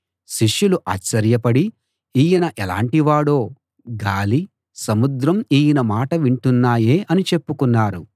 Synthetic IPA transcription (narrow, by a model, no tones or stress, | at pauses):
ʃiʂjuluʔaːt͡ʃːɐɾjɐpɐɽi | iːjɐnɐʔɛla̰ːɳʈiʋaːɽoː | ɡaːli | sɐmud̪ɾɐmiːjinɐmaːʈɐʋiɳʈunːaːjeːʔɐnit͡ʃe̞pːukunːaːɾu